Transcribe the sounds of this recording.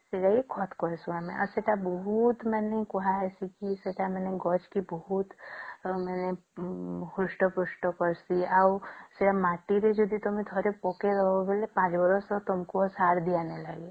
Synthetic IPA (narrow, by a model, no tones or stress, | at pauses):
seɾaekʰɔt̪ʰkɔesuamḛ̃ʔa̰seʈabɔɦut̪mɛnekɔɦaɛsikiseʈamɛneɡɔt͡ʃkibɔɦut̪mɛne | hʊsʈɔpʊsʈɔkɔɾsiawseɽamaːʈiɾed͡ʒɔd̪ʱit̪ɔmẽt̪ʰɔɾepɔkeɾɔbelepãːt͡ʃbɔɾɔsɔt̪ɔmkosaːɾd̪ijanelaːɡe